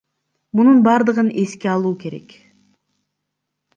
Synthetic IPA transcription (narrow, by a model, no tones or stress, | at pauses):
mununbɑɾd̪ɯʁɯne̞skeɑlˠuːke̞ɾe̞̰k